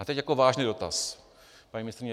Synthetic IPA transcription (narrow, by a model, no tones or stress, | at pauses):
ʔat̪ɛcjakovaːʒnido̞t̪as | paɲimɪnɪst̪ɾɪɲɛ